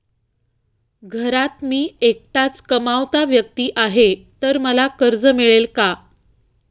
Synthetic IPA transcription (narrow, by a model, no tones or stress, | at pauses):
ɡʱəɾat̪miːek̚ʈ̪at͡skəmaʋt̪aʋjək̚t̪iːʔaɦet̪əɾməlakəɾd͡zəmiɭelka